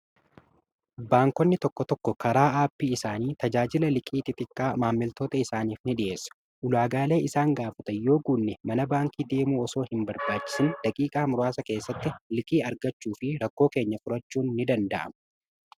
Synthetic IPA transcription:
baːŋkɔnːɪt̪ɔkːɔt̪ɔkːɔkɐɾaːaːpːiːɪsaːniːt̪ɐd͡ʒaːd͡ʒɪlɐlɪkʼiːt̪ɪt̪ʼɪkʼːaːmaːmːɪlt̪oːt̪ɐɪsaːniːfnɪɗɪʔe̞ːsːɐ̥ | ʔʊlaːɡaːle̞ːʔɪsaːŋɡaːfɐt̪ɐjo̞ːɡuːnːɛmɐnɐbaːŋkiːd̪e̞ːmuːɔso̞ːhɪmbɐɾbaːt͡ʃːɪ̥sɪnᶑ̪ɐkʼiːkʼaːmʊɾʊaːsɐke̞ːsːɐt̪ːɪlɪkʼiːɐɾɡɐt͡ʃːuːfɪɾɐkːo̞ːke̞ːɲːɐfʊɾɐt͡ʃːuːnːɪd̪ɐnd̪ɐʔɐ̰mʊ̥

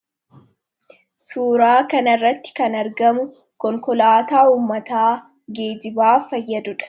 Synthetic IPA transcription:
suːɾaːkɐnɐrːɐt̪ːɪ̥kɐnɐɾɡɐmʊ | kɔŋkɔlaːt̪aːuːmːɐt̪aː | ɡeːd͡ʒɪbaːfɐjːɐd̪ʊᶑɐ̥

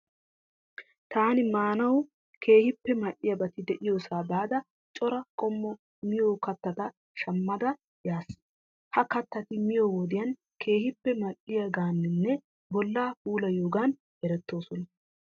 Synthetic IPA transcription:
t̪aːnɪmaːnɐwʊ | kʰe̞ːhɪpːɛmɐʔːɪjɐbɐt̪ɪd̪ɛʔɪjoːsaːbaːd̪ɐ | t͡ʃʼɔɾɐkʼɔmːɔ | mɪjoːkɐt̪ːɐt̪ɐ | ʃɐmːɐd̪ɐ | jaːs | hɐkɐt̪ːɐt̪ɪmɪjoːwɔd̪ɪjɐn | kʰe̞ːhɪpːɛmɐɗɪjɐɡaːnːɪnːɛ | bɔlːaːhuːlɐjoːɡan | ɛɾɛt̪ːo̞ːsɔnɐ

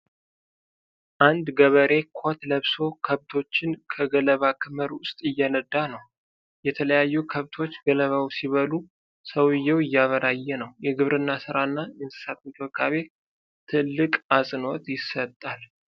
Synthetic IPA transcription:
ʔand̪ɡəβəɾe̞kʰot̪ləβso̞kʰəβt̪ʰo̞t͡ʃːɪnkʰəɡələβakʰɨməɾʊst̪ʼɨjːɛnəd̪ːanəw | jɛt̪ʰələjajːukʰəβt̪ʰo̞t͡ʃːɡələβawsiβəlu | səwɨjːɛwɪjːaβəɾajːɛnəwjɛɡɨβɾɨnːasɨɾanːajɨnsɨ̥sat̪mɨk̪ʰəkʰaβe̞ | t̪ʰɨlːɨkʼasʼɨno̞t̪jɪsət̪ʼːal

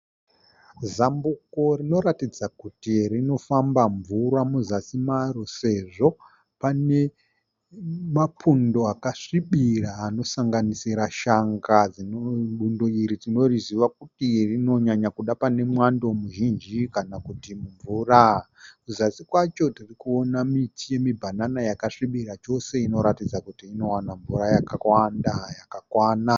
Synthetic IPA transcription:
zambuko̞rino̞ɾatid͡zakutirino̞fambaɱvuramuzasimaɾo̞se̞ʐo̞ | pane̞ | mapʰundo̞akaʂiɓiraːno̞saŋɡanisiɾaʃaŋɡad͡zinoɓundo̞iɾid͡zino̞riziʋak̚utirino̞ɲaɲakuɗapane̞mwandomuʒind͡ʒikanakutimuɱvura | kuzasikwat͡ʃo̞tirikuo̞namitije̞mibʱananajakaʂiɓiɾat͡ʃo̞se̞ino̞ɾatid͡zakutiːno̞wanaɱvurajakawandajakakwaːna

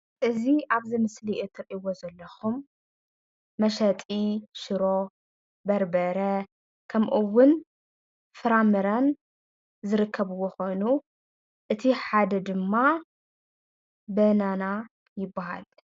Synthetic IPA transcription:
ʔɨziaβzimɨsliʔot̪ʰɨɾʔiwozɐlːɐxum | ɐʃɐt̪ʼiʃɨɾo̞ | bɐɾbɐɾɐ | kʰɐmʔuwːʊn | fɨɾamɨɾan | zɨɾɨkʰːɐβɨwoxo̞jnu | ʔɨt̪ʰiħad̪ɐd̪ɨmːa | bɐnana | jɪbːaha̰l

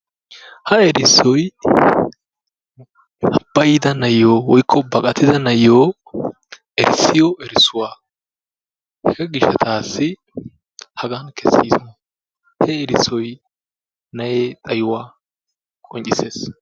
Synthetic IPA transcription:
hɐɛɾɪsːɔj | hɐb̥ːɐjɪd̪ɐnɐjːoːwɔjkʰːɔbɐkʼɐt̪ɪzɐnɐjːoː | ɛɾɪsːɪjɔʔɛɾɪsːʊwaː | hɛɡɐɡɪʃɐt̪ʰaːsːɪ | hɐɡɐnkʰɛsːiːsɔ | hɛɛɾɪsːɔj | nɐjeːt̪ʼɐjʊwaː | kʼɔnt͡ʃʼːɪseːs

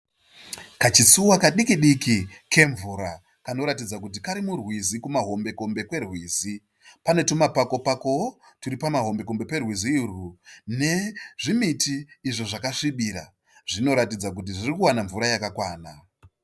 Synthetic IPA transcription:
kat͡ʃisuwakaɗikiɗikike̞ɱvuɾa | kano̞ɾatid͡zak̬ut̬ikaɾimurwizikumaɦo̞mbe̞ko̞mbe̞kwe̞rwiːzi | pane̞tomapako̞pako̞otuɾipamaɦo̞mbe̞ko̞mbe̞pe̞rwiziːrune̞ʐimitiːʐoʐakaʂiɓiɾa̰ | ʐ̥ino̞ɾatid͡zak̬ut̬iʐirikuwanaɱvuɾajakakwaːna

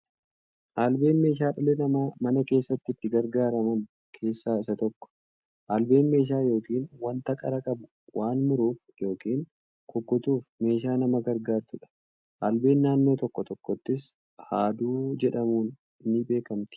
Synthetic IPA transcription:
ʔaːlbe̞ːnme̞ːʃ̬aːᶑɐlɛnɐmaːmɐnɐke̞ːsːɐt̪ːɪɪt̪ːɪɡɐɾɡaːɾɐmɐn | kʰe̞ːsːaːɪsɐt̪ɔkːɔ̥ | ʔaːlbe̞ːnme̞ːʃ̬aːjo̞ːkiːnwɐnt̪ɐkʼɐɾɐkʼɐbʊ̥ | waːnmʊɾuːf | jo̞ːkiːŋ | kʰɔɡːɔt̪uːfme̞ːʃaːnɐmɐɡɐɾɡaːɾt̪ʊᶑɐ̥ | ʔaːlbe̞ːnːaːnːo̞ːt̪ɔkːɔt̪ɔkːɔt̪ːɪs | haːd̪uːd͡ʒɛᶑɐmuːn | ɪnːɪbe̞ːkɐmt̪ɪ̥

